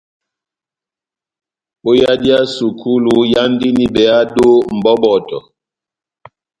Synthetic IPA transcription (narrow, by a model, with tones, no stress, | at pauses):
ɓo˦ja˦di˦a˦su˨kʰu˦lu˦ja˦ndi˦ni˨bɛ˨a˦do˦m̩˨bɔ˦bɔ˨tɔ̰˨